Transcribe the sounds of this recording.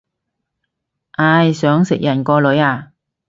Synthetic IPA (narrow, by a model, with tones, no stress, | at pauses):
ʔaː˧jsœː˨˥ŋsɪ˨k̚jɐ˨˩nkɔː˧lɵ˨˥ɥaː˧˩